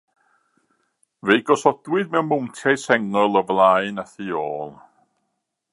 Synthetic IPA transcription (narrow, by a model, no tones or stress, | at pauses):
vejɡɔsɔdwɨdmɛwmʊwntʰɛsɛŋɔlˠɔvlˠaɨnaθioːlˠ